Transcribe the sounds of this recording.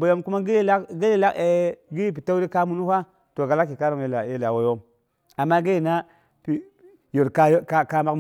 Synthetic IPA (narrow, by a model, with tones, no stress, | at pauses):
bo˨jo˦mku˦ma˦ɡi˦la˦kɡi˦li˦la˦e˨ɡi˦jp̬i˨ta˦u˦ɾi˦ka˦mu˨nu˦hʷa˦ | to˨ɡa˨la˦kːi˨ka˦ɾo˨ŋje˦la˨je˦la˨wo˦jo˦m | a˨mːa˦ɡe˦ji˨na˦ | pi˨ | jo˨ɾka˦jkka˦ma˦km